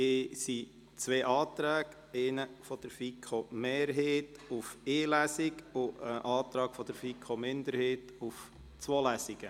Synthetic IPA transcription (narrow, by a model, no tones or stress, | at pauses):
ɪsi | t͡sʋeːʔɑːt̪ɾæːɡ | eɪnəfɔd̥əɾfikʰomeːɾɦeːtufeːlæsɪkʊəʔɑːt̪ɾɑːɡ̥fɔd̥̪əɾfikʰomɪnd̪əɾheːt | uf | t͡swoːlæsɪɡ̥ə